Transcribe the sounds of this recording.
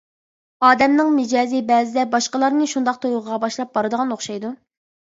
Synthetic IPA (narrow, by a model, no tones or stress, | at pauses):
ɑːd̪ɛmnɨŋmɪd͡ʒɑːzibɛːzɪd̪ɛbɑʃqəlˠɑɾnɨʃund̪ɑq̚t̪ʰojʁʁɑbɑʃlˠɑp̚bɑɾɨd̪əʁɑnoχʃɑjd̪u